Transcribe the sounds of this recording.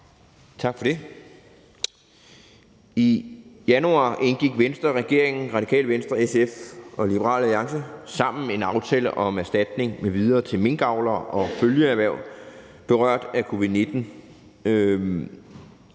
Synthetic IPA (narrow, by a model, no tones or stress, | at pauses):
t͡sʰɑ̈ɡ̥fɒ̽d̥e̝ | ijænuɑ̰̈ʔe̝nɡ̥iɡ̥ʋensd̥ʁɐʁɛɡ̥e̝ɐe̝ŋn̩ʁɑ̈d̥ikʰɛ̰ːlʋensd̥ʁɐesefʔɒ̽lib̥əʁɑ̰̈ːlæliɑ̈ŋsəsɑ̈m̰n̩meenɑ̈ʊt͡sʰɛːləʔɒ̽mæɐsd̥æd̥ne̝ŋmeʋið̞ˠɐːt͡sʰe̝lme̝nɡ̥ɑ̈ʊ̰lɐɒ̽føljəæʋæɐ̰ʊ̰ | b̥e̝ʁɶɐ̰d̥ækʰo̝ʋið̩ˠne̝d̥n̩